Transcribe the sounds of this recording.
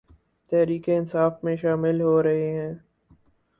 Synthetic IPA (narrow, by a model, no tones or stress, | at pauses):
t̪ɛɦɾiːkeɪnsaːfmẽʃaːmɪlɦoɾɐɦeɦɛ̃ː